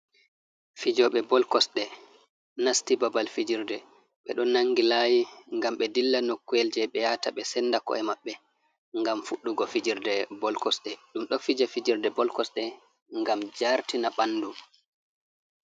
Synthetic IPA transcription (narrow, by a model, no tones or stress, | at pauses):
fid͡ʒɔɓɛbɔlkɔsɗɛ | nastibabalfid͡ʒiɾdɛ | ɓɛɗɔnːaŋɡilajiŋɡamɓɛdilːanokːueld͡ʒɛɓɛjataɓɛsɛnːdakɔ̰ɛmaɓːɛ | ŋɡamfuɗːuɡɔfid͡ʒiɾdɛbɔlkɔsɗɛɗumɗɔfid͡ʒafid͡ʒiɾdɛbɔlkɔsɗɛ | ŋɡamd͡ʒaɾtinabanːdu